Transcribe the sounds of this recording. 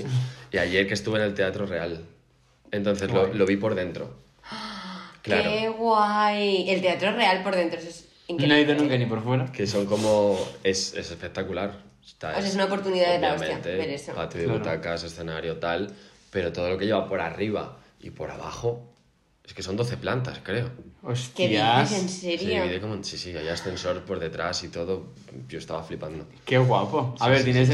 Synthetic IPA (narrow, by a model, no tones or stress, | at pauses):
iiaʝe̞ɾkest̪uβene̞lt̪e̞at̪ɾo̞re̞al | e̞nt̪o̞n̟θe̞zlolo̞β̞ipo̞ɾðe̞nt̪ɾo̞̰ | klaɾeɣwajelt̪eat̪ɾore̞alpo̞ɾð̞e̞nt̪ɾoses | eŋknnoeiðonũŋkanipoɾfwe̞ɾakeso̞ŋko̞mo̞e̞se̞se̞spe̞k̚t̪akulaɾ | st̪a̰osaes̬unaopo̞ɾt̪uniðaððeɾaaomsmḛ̃ant̪eeɾesopat̪joðeβut̪akase̞sθe̞naɾjot̪al | pe̞ɾo̞t̪o̞ð̞olo̞ke̞ʝe̞βapo̞ɾariβ̞a̰ | ḭpo̞ɾa̰β̞a̰xo̞ | e̞ske̞so̞nd̪o̞θe̞plant̪askɾe̞oost̪iasenseɾjoβiðekomosisiajasθe̞nso̞ɾpo̞ɾðe̞t̪ɾasit̪o̞ðo̞ | pjost̪aβaflipand̪okeɣwapoaβeɾt̪jenes